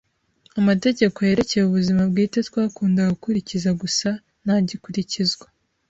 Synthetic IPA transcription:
amate̞ɟe̞ko̞je̞ɾe̞ce̞juβuzimabɡiːtetwaːkuːndaɡukuɾicizaɡusa | naɟikuɾicizɡwa

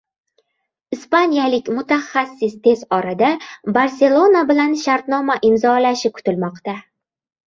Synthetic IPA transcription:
ɪspanijalɪkʲmʊt̪ʰaχːasːɪst̪ʰe̞zɒɾad̪abaɾse̞lˠo̞nabɪlanʃaɾt̪nɒmaʔɪmzɒlaʃɪkʰʊ̥t̪ɪlmɒqt̪a

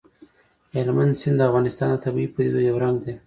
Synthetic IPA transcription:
helmand̪sɪnd̪əafɣɑnɪst̪ɑnd̪ət̪abipud̪id̪ojowɾaŋɡd̪e

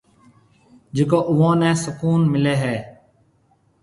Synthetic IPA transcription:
d͡ʒeːkoːʔʊʋãːnɛ̃ːsəkuːnmɪleːɦɛː

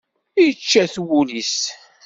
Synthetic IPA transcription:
ijət͡ʃːæθwulis

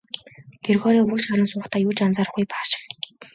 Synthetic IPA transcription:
ɡ̥erɣɔːɾiːuʃχaɾə̆nsʊːχt̪ʰaːjuːt͡ɕant͡saːɾə̆χɡujpḁːʃɪ̥̆

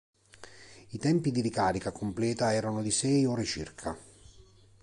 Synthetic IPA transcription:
it̪ɛmpid̪idikaːɾikakomplɛːt̪aɛːɾanolisɛjɔːɾet͡ʃḭrkʰa

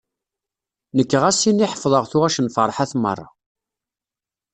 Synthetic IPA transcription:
nəkːʁæsiniħəfðˤəʁθʊʁæʃənfəɾˤħæθmə̰rˤːɑ̰

